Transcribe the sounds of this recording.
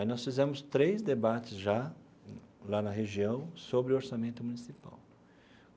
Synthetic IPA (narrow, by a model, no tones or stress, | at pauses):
nɔsfizẽmʊst̪ɾejzd̪ebat͡ʃɪzʒa | lanɐɦeʒiɐ̃w̃sobɾɪʊoɾsamẽnt̪ʊmũnisipa̰w